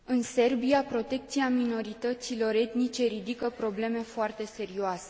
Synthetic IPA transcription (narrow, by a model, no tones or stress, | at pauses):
ɨnse̞rbiapɾo̞t̪e̞k̚t̪siamino̞ɾit̪ət̪silo̞ɾe̞t̪nit͡ʃe̞ɾid̪ikəpɾo̞ble̞me̞foart̪e̞se̞ɾioase̞